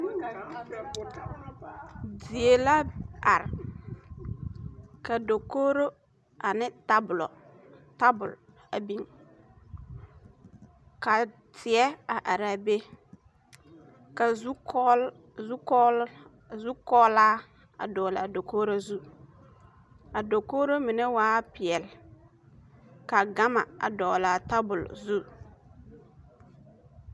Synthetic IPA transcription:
di˨e˨la˦ʔa˨ɾ | ka˨do˨ko˦ɾo˦ | ʔa˨nɪ˦ta˦bʊ˨lɔ̰˨ | ta˦bʊ˨l | a̰˨bi˦˨ŋ | ka˨ | tʰɪ˨ɛ˦a˨ʔa˨ɾa˨be˦ | ka˨˦ | zu˦ | zu˦kɔː˦la˦ | a̰˨dɔː˨la˨do˨koː˦ɾa˦zu˦ | a˨do˨koː˦ɾa˦mi˨ne˦waː˦pɪ˨ɛ˨l | ka˨ɡa˦ma̰˨a̰˨dɔː˨la˨ta˦bʊ˨lzu˦

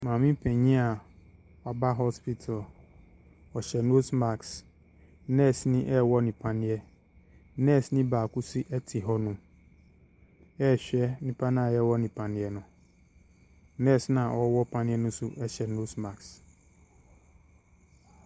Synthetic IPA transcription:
mãː˨mĩ˦m̩˦pʰɛ̃˨ɲĩ˦a˨ | wa˨ba˦ɦɔ˦spi˦tʰa˨l | wɔ˨ɕɛ˨no˦sma˨ks | nɛ̃˦˨snĩ˦ʔɛ˦wɔ˦nĩ˨pʰã˨nɪ̃˦ɛ˦ | nɛ̃˦˨snĩ˦baː˨ku˦si˦ʔɛ˦tʰi˨ɦɔ˦nũ˨˦ | ɛ˦˨ɕᶣɛ˦nĩ˨pʰã˦nã˦˨jɛ˦˨wɔ˦nĩ˨pʰã˨nɪ̃˨˦ɛ˨nʊ̃˨˦ | nɛ̃˦˨snã˨ʔɔ˦wɔ˦pʰã˨nɪ̃˦ɛ˦nʊ̃˦sʊ˦ʔɛ˦ɕɛ˨no˦sma˨ks

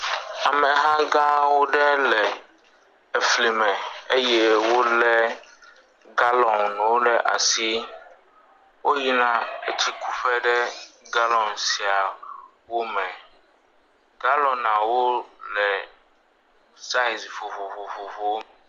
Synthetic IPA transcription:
a˨mɛ̃˨ɦã˦ɡã˦wo˦ɖɛ˦lɛ˨ | e˨fli˨mɛ̃˨e˦jɛ˦wo˦lɛ˦ | ɡa˦lɔ̃˨nñ˨wo˦ɖɛ˨ʔa̰˨si˦ | wo˦ɦi˦nã˦e˦t͡ɕi˦ku̥˦ɸɛ˦ɖɛ˦ɡa˦lɔ̃˨nsi˨a˨ | wo˦mɛ̃˨ | ɡa˦lɔ̃˨nã˨wo˦lɛ˨ | sa˦i˨zi˨fo˨vo˨vo˨vo˨vo˨˦

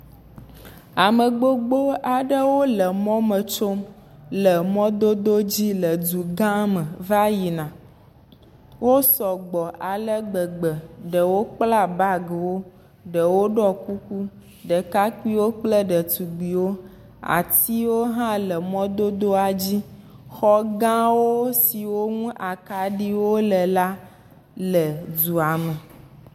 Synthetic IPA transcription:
a˨mə˨ɡ͡bo˦ɡ͡bo˦a˨ɖə˦wo˦lə˨mɔ̃˦mə˨t͡ʃo˦m | lə˨mɔ̃˦d̪o˦d̪o˦d͡ʑi˦lə˨du˨ɡã˦mə˨va˦ji˨nã˨ | wo˦sɔ˨ɡ͡bɔ˨ʔa˨lə˦ɡ͡bə˨ɡ͡bə˨ɖə˨wo˦k͡pla˦ba˦ɡə˨wo˦ | ɖə˨wo˦ɖɔ˦ku˦ku˦ | ɖə˨ka˦ki˦wo˦k͡plə˦ɖə˨t̪u˨ɡ͡bi˨wo˦ | a̰˨t̪i˦wo˦ɦã˦lə˨mɔ̃˦d̪o˦d̪o˦a˨d͡ʑi˦ | xɔ˦ɡã˦wo˦si˨wo˦ŋũ˦ʔa˨ka˨ɖi˦wo˦lə˨la˦ | lə˨du˨a˨mə˨

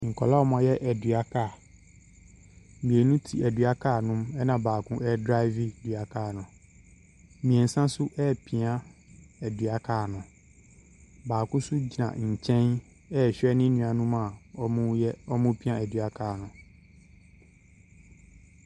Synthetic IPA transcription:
ŋ̩˨kʰɔ̰˨la˦ɔ˦mɔ̃˨jɛ˦ʔɛ˨dɥa˦kʰaː˦˨ | mĩ˨e˨nũ˦tʰi˨ɛ˨dɥa˦kʰaː˦˨nʊ̃˦mɛ˦nã˨baː˨kʰʊ̃˦ʔɛ˦dɾa˦ɪ˦vi˨dɥa˨kʰaː˦˨nʊ̃˨ | mĩ˨e˨n̩˨sã˦sʊ˦ʔɛ˦pʰi˨ã˦ɛ˨dɥa˦kʰaː˦˨nʊ̃˨ | baː˨kʊ̃˦sʊ˦d͡ʑi˨nã̰˨ɲ̩˨t͡ɕʰɛ̃˦n | ɛ˦˨ɕᶣɛ˦nɪ̃˦nũ˨a˨nũ˦ma˨ɔ˦mʊ̃˦jɛ˦ɔ˦mʊ̃˦pʰi˦ã˦˨æ˨dɥa˨kʰaː˦˨nʊ̃˨

